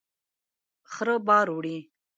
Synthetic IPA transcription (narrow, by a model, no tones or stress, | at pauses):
χɾəbɑːɾuɽi